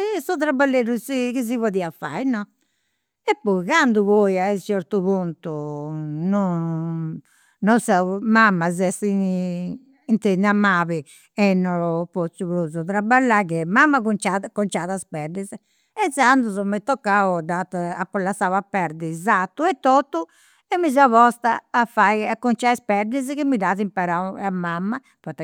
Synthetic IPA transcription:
ɛsɔðɾabalːeɾusikiz̬ivɔðiafa̰jnɔ | ɛpːɔiɣand̪uβɔjait͡ʃɛɾt̪uβunt̪u | nɔ | nɔsamamːazɛsi | nt̪ɛnamaːβi | ɛnːɔɾɔpot̪suβɾuzɔðɾabːalːaɣɛmamːakunt͡ʃakɔnt͡ʃaðaspɛɾd̪izɛ | ɛsand̪uzɔmɛt̪ːɔkːaɔd̪at̪apːɔlːasawapːɛɾd̪izat̪ːuɛt̪ːot̪ːu | ɛmːizauβɔst̪a̰ːfajakːɔnt͡ʃaispɛɾd̪izɛkimːidaːðimpaɾawamːamːa | pɔt̪ːɛ

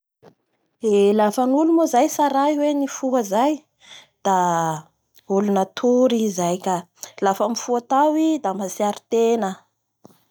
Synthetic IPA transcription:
elafənulumozajsaɾaiwenifuɦəzaj | d̪̥a | ulunət̪ʰuɾizajkʲa | lafəmifuat̪awid̪amasiaɾi̥t̪enə

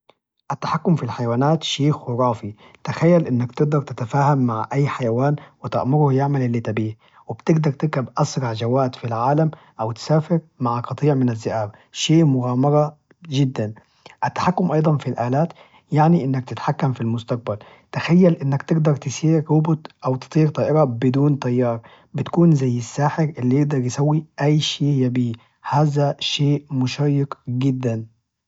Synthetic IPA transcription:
ʔat̪ːḁħakːʊmfilħajawaːnaːt̪ʃiːxʊɾˤɑːfi | t̪axajːalʔɪnːakt̪ɪɡ̚d̪ɑɾˤt̪ɪt̪afaːhamːaʕʔajːħajawaːnwɪt̪a̰ʔmʊɾʊhjɪʕmalʔɪlːit̪abiːh | wɪb̥t̪ɪɡd̪ɑɾˤt̪ɪkabʔasɾˤɑʕd͡ʒawaːd̪filʕaːlam | ʔawt̪saːfɪɾ | maʕaqɑt̪ˤiːʕmɪnazːɪʔaːbʃeːmʊɣaːmɑɾˤɑ | ʒɪd̪ːan | ʔɪt̪ːḁħakːʊmʔɑjd̪ˤɑnfilʔaːlaːt̪ | jaʕniʔɪnːak̚t̪ɪt̪ħakːamfilmʊst̪aq̚bal | t̪axajːælʔɪnːakt̪ɪɡd̪ɑɾˤt̪ɪsiːɾːʊbʊt̪ʔawt̪ɨ̥t̪ˤiːɾt̪ɑːʔɪɾɑbɪd̪uːnt̪ɑjːɑːɾˤ | bɪt̪kuːnzajːɪsːaːħɪɾʔɪlːijɪɡ̚d̪ɑɾˤjɪsawːiʔæjːʃeːhjabiː | haːzaʃeːʔmʊʃaːjːɪkɡɪd̪ːan

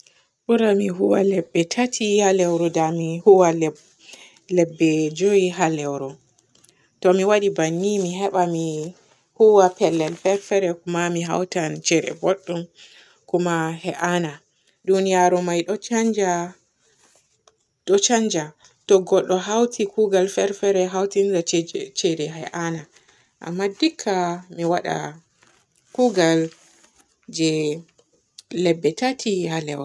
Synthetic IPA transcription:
ɓuɾamiɦuwalɛbːɛtʰatʰihalɛwɾɔdamihuwal | lɛbːɛd͡ʒojiɦalɛwɾɔ | tɔmiwaɗibanːimiɦɛɓami | huwapɛlːɛlfɛfɛɾɛkumamiɦa̰wtant͡ʃɛɾɛ̰bɔɗːɔm | kumahɛʔana | dunijaɾɔmajɗɔt͡ʃand͡ʒa | ɗɔt͡ʃaɲd͡ʒa | tɔɡɔɗːɔɦawtʰikuɡalfɛɾfɛɾɛɦawtinzat͡ʃɛɾɛɦɛ̰ʔana | ʔa̰mːadikʰːamiwaɗa̰ | kuɡal | d͡ʒɛ | lɛbːɛtatʰihalɛ̰w

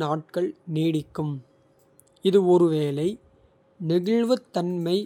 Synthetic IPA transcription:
naːʈ̚kɐɭneːɽɪkːɯm | ɪðɯɔɾɯʋeːlɐɪ | nɪɣɪɭʋɯt̪ːɐnmɐɪ

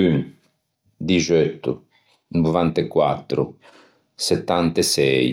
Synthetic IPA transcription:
yn | d̪iʒøt̪ːṵ | nuvant̪ekwa̰t̪ːɾu | set̪ːant̪esɛj

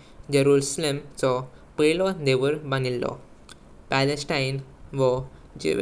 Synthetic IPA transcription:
d͡ʑeɾuɾslemt͡sɔpelɔd̪eʋəɾbanilːɔ̰ | pælesʈajnʋɔ | d͡ʑḛʋ

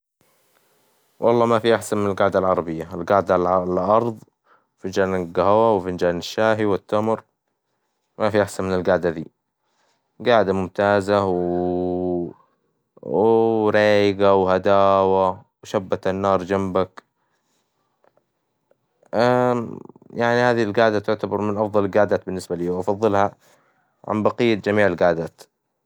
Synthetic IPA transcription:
wʔɑlˤːɑːmafiʔaħsanmɪnɪlɡaʕd̪alʕɑɾˤɑbɪjːaɪlɡaːʕd̪aʔɑɾˤðˤ | fɪnd͡ʒaːnɪɡahawawfɪnd͡ʒaːnɪʃːaːɦiwɪt̪ːamɾ | mafiʔaħsanmɪnɪlɡaːʕd̪ad̪ḭː | ɡaːʕd̪amʊmt̪aːzaw | ɾeːjɪɡawhad̪aːwawʃabːat̪anːɑːɾˤd͡ʒambak | ʔa | jaʕnihaːðilɡaːʕd̪at̪ʊʕt̪abɑɾˤmɪnʔɑfðˤɑlɪlɡaːʕd̪aːt̪̚bɪnːɪsbaliːwʔɑfɑðˤːɨlha | ʕa̰nbɑqijːad͡ʒamiːʕɪlɡaːʕd̪aːt̪

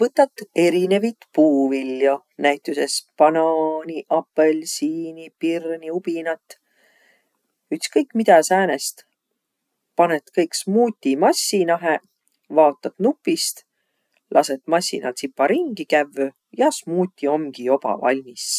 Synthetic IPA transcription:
vɤt̪ːˑɑt̪ːˑe̞ɾine̞vit̪puːvilːjo | næjt̪ˑuse̞spɑnɑːniʔɑpːe̞lsiːnipirniupinɑt̪ːˑ | yt̪skɤjkmid̪̥æsæːne̞st̪ | pɑne̞t̪kɤjksmuːt̪ʲːimɑsʲːinɑɦe̞ | vɑːt̪ːˑɑt̪nupːˑist̪ | lʔɑse̞t̪ˑmɑsʲːḭnɑ̰lt̪sipːɑɾiŋɡikævːø | jɑsmuːt̪ʲːˑio̞mɡ̥io̞b̥ɑ̰vɑ̰lʲmis

